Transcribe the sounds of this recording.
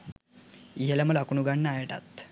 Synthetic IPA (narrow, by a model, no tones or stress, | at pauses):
jelaməlakɳuɡaɳːaːjʈa̰t̪